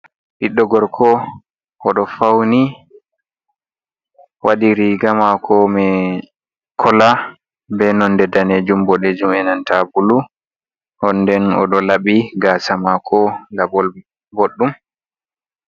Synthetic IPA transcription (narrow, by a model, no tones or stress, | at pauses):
ʔiɗːɔɡɔɾkʰɔ | ʔɔɗɔfawni | wʔadiɾiɡamakʰɔmɛ | kʰɔla | bɛnɔndɛdaneːd͡ʒumbɔɗed͡ʒumɛnantabulu | ʔɔndɛnɔ̰ɗɔlaɓiɡasamakʰɔlabɔl | boɗːum